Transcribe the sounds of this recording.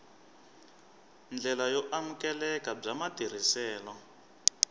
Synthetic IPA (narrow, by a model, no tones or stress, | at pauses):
nd͡ɮɛlajɔʔamukɛlɛkab͡ʐamatiɾ̤isɛːlɔ